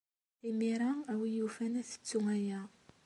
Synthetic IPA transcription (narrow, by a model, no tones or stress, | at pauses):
imiɾaŋawijufænæθi̥t͡sːuŋaja